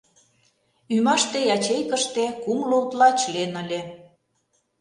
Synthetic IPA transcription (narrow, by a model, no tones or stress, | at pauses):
ymɑʃt̪ejɑt͡ɕejkə̆ʃt̪ekumlolt̪lɑt͡ɕlenə̆lʲe